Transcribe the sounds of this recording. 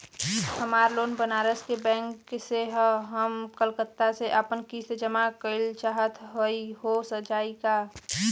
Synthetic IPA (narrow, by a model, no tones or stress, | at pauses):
həmaːɾloːnbənaːɾəskebɛ̃ːŋkːseɦɦəmkəlkət̪ːaseʔəpənkised͡ʒəmakəɪlt͡ʃaːɦət̪ɦoiɦosəd͡ʒaːika